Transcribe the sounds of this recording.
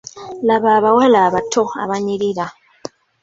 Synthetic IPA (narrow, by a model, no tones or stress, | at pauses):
laβaːβawalaːβatʰoa̰βaɲiɾiɾa